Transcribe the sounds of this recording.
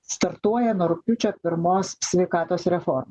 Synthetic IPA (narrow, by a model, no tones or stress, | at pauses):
st̪ɐɾt̪uɔjɛnoːɾʊkʲʊt͡ʃʲoːpʲɪɾmoːssʲʋʲɛɪkɑːt̪oːsɾʲɛfɔɾmɐ